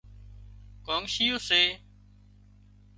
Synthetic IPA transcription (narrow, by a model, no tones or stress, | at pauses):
koːŋʃijoːseː